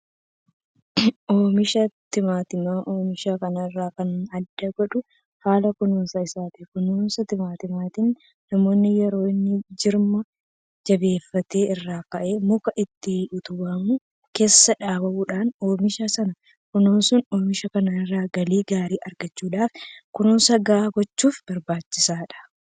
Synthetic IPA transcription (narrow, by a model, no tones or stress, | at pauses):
ʔoːmɪʃɐt̪ɪmaːt̪ɪmaʔoːmɪʃaːkɐnɐɪrːaːkɐnɐd̪ːɐɡɔᶑʊ | haːlɐkʊnoːnsɐɪsaːt̪ɪkʊnoːnsɐt̪ɪmaːt̪ɪmaːt̪inː | ɐmo̞ːnːɪjɛɾo̞ːɪnːɪd͡ʒɪɾmɐ | d͡ʒɐbe̞ːfːɐt̪eːɪrːaːkɐʔe̞ːmʊkɐʔɪt̪ːɪʊt̪ʊbɐmʊ | ke̞ːsːɐᶑaːbɐʔuːᶑaːnoːmɪʃasɐnɐ | kʊnoːnsʊnoːmɪʃɐkɐnaːɪrːaːɡɐliːɡaːɾiːʔɐɾɡɐt͡ʃːuːᶑaːfkʊnoːnsɐɡaɡɔt͡ʃːuːfb̥ɐɾbaːt͡ʃːɪsaːᶑɐ̥